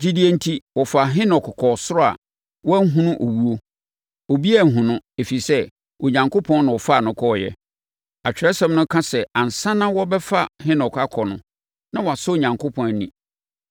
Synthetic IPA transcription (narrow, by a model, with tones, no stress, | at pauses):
d͡ʑi˦di˦e˦n̩˦tʰi˦wɔ˨fa˨ɦɪ̃˦nɔ˨kkʰɔ˨sʊ˦ɾɔ˦a̰˨ | wɔ˦ŋ̩˦ɦũ˦nʊ̃˦ʔo˨wu˦o˦ | o˨bi˦æ˦˨ŋ̩˨ɦʊ̃˨nʊ̃˦e˨fi˨sɛ˦ | o˨ɲã˨ŋkʰo˦pʰɔ̃˦nnã˨ɔ˨fa˦˨nʊ̃˦kʰɔ˦˨jɛ̰˦ | a˨t͡ɕᶣɾɛ˦sɛ̃˦mnʊ̃˦kʰã˦sɛ˨ã˨n̩˨sã˦nã˦wɔ˦bɛ˦fa˦hɪ̃˦nɔ˨ka˦kʰɔ˨nʊ̃˨ | nã˦wɔ˨a˨sɔ˦o˨ɲã˨ŋkʰo˦pʰɔ̃˦n˨nĩ˨